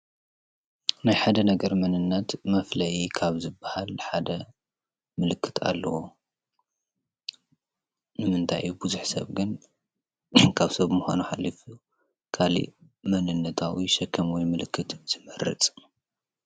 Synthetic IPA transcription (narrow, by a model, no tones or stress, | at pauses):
najħad̪ɐnɐɡɐɾmɐnɨnːɐt̪mɐflɐʔikʰaβzɨbːahalħad̪ɐ | mɨlɨkʰːɨ̥t̪ʰa̰lːɐwo | nɨmɨnt̪ʰa̰jubuzuħsɐ̰βɡɨn | kʰaβsɐβmuxʷa̰nuħalːifu | kʰalḭ | mɐnɨnːɐt̪ʰawiʃɐkʰːɐmwɔjmɨlɨkːɨt̪z̥ɨmɨɾɨ̰t͡sʼ